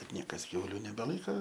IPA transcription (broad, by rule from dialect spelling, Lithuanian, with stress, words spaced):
bʲɛt ˈnʲiɛkɐs ˈkʲɛʊlʲʊ nʲɛbʲɛˈlˠɐɪkɐ